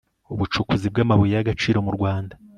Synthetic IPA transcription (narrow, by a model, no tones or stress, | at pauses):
uβut͡ʃukuzib̚ɡaːmaβujejaɡat͡ʃiːɾo̞muɾɡwaːnda